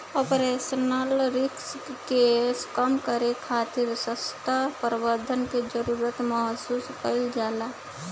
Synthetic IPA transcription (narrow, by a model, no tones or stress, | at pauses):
opɾesənəlɾɪkskeskəmkəɾekʰaːt̪iɾsəst̪apəɾbəɾd̪ʱənked͡ʒəɾuɾət̪məɦəsuːskəɪld͡ʒaːla